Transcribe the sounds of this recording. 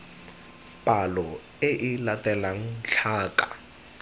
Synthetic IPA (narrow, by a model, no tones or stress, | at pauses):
pʼalɔ | eʔilatʼɛlaŋ̩ɬʰaːkʼa̰